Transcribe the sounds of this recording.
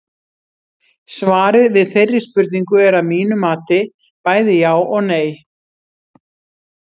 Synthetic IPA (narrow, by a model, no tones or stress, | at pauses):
svaːɾɪðvɪðθejrːɪ̥spʏɾt̪niŋkʏɛɾaðmiːnʏmaːt̪ɪ | paːjðɪjaːwʔɔɣneːj